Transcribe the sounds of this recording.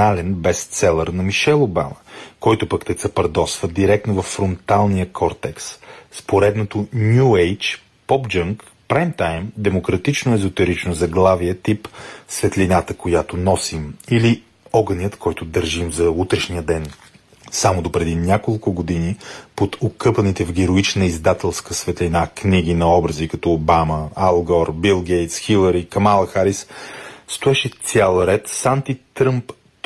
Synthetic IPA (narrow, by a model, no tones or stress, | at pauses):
alɛnbɛstt̪sɛlˠəɾnɐmiʃɛlˠoba̰məkɔjt̪ʊpəkt̪ɛkt̪sɐpɐɾd̪ɔsvəd̪iɾɛk̚t̪novɐfːɾont̪alˠnijəkʰɔɾt̪ɛksspoɾɛd̪not̪onʲjuɛjt͡ʃ | pɔpd͡ʒəŋk | pɾajmt̪ajmd̪ɛmokɾɐt̪it͡ʃnoɛzot̪ɛɾit͡ʃnozɐɡlˠaviət̪ipsvɛt̪linat̪əkojat̪onɔsimili | ɔɡənjət̪kɔjt̪ʊd̪əɾʒimzɐut̪ɾɛʃnijəd̪ɛn | samod̪opɾɛd̪inʲakolˠkʊɡod̪inipot̪okɤpənit̪ɛvɡʲɛɾoit͡ʃnəizd̪at̪ɛlˠskəsvɛt̪linakniɡinɐɔbɾəzikɐt̪ɔːbaməalˠɡɔɾbilˠɡɛjt̪sxilˠəɾikɐmalˠəxaɾisst̪oɛʃɛt̪sʲalˠɾɛt̪sant̪it̪ɾɤmp